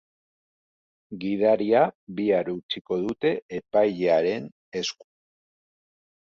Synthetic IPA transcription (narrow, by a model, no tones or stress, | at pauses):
ɡið̞aɾiaβiaɾut͡siko̞ðut̪e̞epajʎeaɾe̞n | e̞sku̥